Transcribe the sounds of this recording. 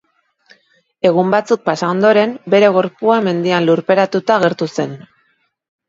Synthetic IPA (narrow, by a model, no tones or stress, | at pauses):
e̞ɣ̞umbat͡suk̚pasao̞nd̪o̞ɾe̞mbe̞ɾe̞ɣ̞o̞ɾpuame̞nd̪ianluɾpe̞ɾat̪ut̪aːɣ̞e̞ɾt̪use̞n